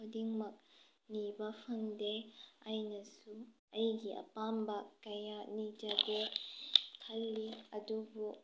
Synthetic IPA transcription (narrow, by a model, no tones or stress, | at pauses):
odiŋmɐk̚ | nibɐpʰɐŋdeajnɐsu | ɐjɡiʔɐ̰pambɐkɐjanid͡ʒade | kʰɐlːiɐdubu